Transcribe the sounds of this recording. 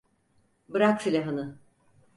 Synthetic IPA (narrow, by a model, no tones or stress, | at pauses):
bɯɾak̚sʰilʲaɦanɯ